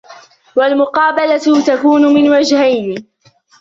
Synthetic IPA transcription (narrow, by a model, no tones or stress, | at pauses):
walmʊqɑːbalat̪akuːnʊmɪnwad͡ʒhajnɪ